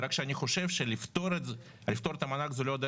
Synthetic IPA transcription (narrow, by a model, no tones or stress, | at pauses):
ɾakʃeanʲiχo̞ʃe̞vʃelift̪oɾe | lift̪o̞ɾet̪ɐmanaɡzelod̪